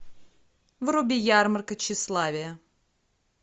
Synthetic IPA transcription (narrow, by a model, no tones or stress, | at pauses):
vrʊbʲɪjarmərkət͡ɕːɪslˠavʲɪjə